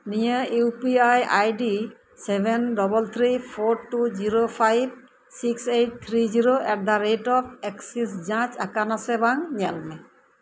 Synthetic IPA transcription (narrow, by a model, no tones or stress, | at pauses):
nijəuwpiaja̰jdi | sɛbʱɛndɔbɔlt̪ʰɾipʰoɾʈuziɾopʰajb̚ | siksejʈ̚t̪ʰɾiziɾoʔɛk̚d̪aɾetɔp̚ʰɛksisd͡ʒãt͡ʃakanasɛbaŋɲɛlmɛ